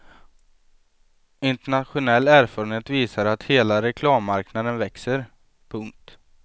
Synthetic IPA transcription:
ɪnt̪ɛɳat̪ɧʊnɛlːæːɾfɔːɾənheːt̪viːsaɾat̪heːlaɾɛkʰlɑːmːaɾknad̪ənvɛksəɾ | pʰɵŋk̚t̪

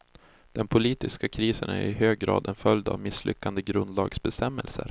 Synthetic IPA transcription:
d̪̥ɛnpʰʊliːt̪ɪskakʰɾiːsənæ̰ɾɾɪhøːɡɡɾɑ̰ːd̪ɛnfœld̪a̰vmɪslʔʏkːand̪əɡɾɵnd̪lɑːɡsbɛst̪ɛmːɛlsə̰ɾ

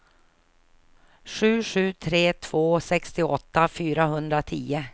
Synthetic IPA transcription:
ʂʉ̟ːʂʉ̟ːt̪ʰɾeːt̪ʰv̥oːsɛkst̪ɪɔt̪ːafyːɾaɦɵnd̪ɾat̪ʰiːə

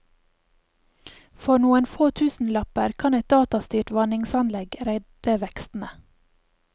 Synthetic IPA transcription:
fɔnuːənfoːt̪ʰʉːsn̩lɑpəɾkʰɑnæɪt̪̚d̪ɑːt̪ɑst̪yːʈʋɑnɪŋsɑnlɛɡɾæɪ̥əʋɛkst̪n̩ə

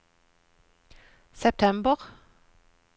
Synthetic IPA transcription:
sɛp̚t̪ʰɛmbəʁ

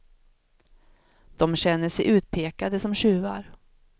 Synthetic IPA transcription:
d̪̥ɔmɕɛnːəʂɛjʔʉ̟ːt̪̚pʰeːkad̪əsɔmɕʉ̟ːva̰ɾ

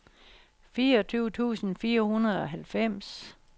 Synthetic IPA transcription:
fiːɐɒ̽t͡sʰyːʊt͡sʰṵːsn̩fiːɐhunɐð̞ˠɒ̽ɦælfem̰s

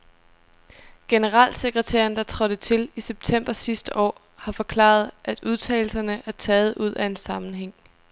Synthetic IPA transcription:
ɡ̥e̝nəʁɑ̰̈ːlse̝ɡ̥ʁət͡sʰæ̰ːɐnd̥ɑ̈t͡sʰʁɒ̽d̥ət͡sʰe̝liseb̥̚t͡sʰem̰b̥ɐsisd̥əʔɒ̰ː | hɑ̈fɒ̽kʰlɑ̰̈ːð̞ˠʔæd̥uð̞ˠt͡sʰɛ̰ːɪl̩sɐnəʔæɐt͡sʰɛːð̞̩ˠʔuð̞̰ˠʔæe̝nsɑ̈mn̩ɦeŋ̰

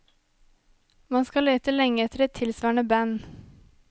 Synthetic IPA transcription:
mɑnskɑleːt̪əlɛŋəɛt̪əɾɛt̪ʰɪlsʋɑːɳəbæn

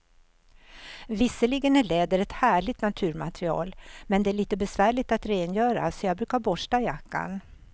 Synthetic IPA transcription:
vɪsːəlɪɡənæɭeːd̪əɾɛt̪hæːɭɪt̪nat̪ʰʉ̟ːɾma̰t̪ɾɪɑ̰ːlmɛnd̪ɛæɭiːt̪əbɛsvæːɭɪt̪at̪ɾeːnjœːɾa̰sɔjɑːɡ̚bɾʉ̟ːkaɾbɔʂʈajakːa̰n

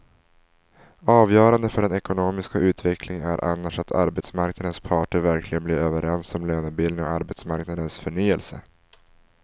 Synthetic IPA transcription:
ɑːvjœːɾand̪əfœɖɛnɛkʊnoːmɪskaʔʉ̟ːt̪vɛkʰlɪŋæ̰ɾʔa̰nːaʂat̪ʰa̰ɾbɛt̪smaɾknad̪ənspʰɑːʈəɾvæɾkʰlɪɡənblɪɾøːvəɾɛnsɔmløːnɵbɪlɪŋɔ̰aɾbɛt̪smaɾknad̪ənsfœɳyːɛlsə

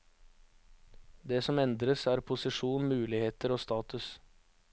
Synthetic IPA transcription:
d̪eːsɔmɛnd̪ɾəsæːɾpʰʊsɪʂuːnmʉːlɪheːt̪əɾoːst̪ɑːt̪ʉs

